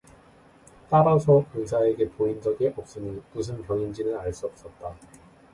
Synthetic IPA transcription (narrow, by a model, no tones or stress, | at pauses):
t͈aɾasʰʌɯnsʰae̞ɡe̞poind͡ʑʌɡeʔʌp̚s͈ɯnimusʰɯnkjʌŋind͡ʑinɯnaɭs͈uʌp̚s͈ʌt̚t͈a